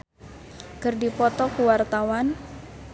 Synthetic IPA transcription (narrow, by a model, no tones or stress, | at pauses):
kərdipɔt̪ɔkuwart̪awan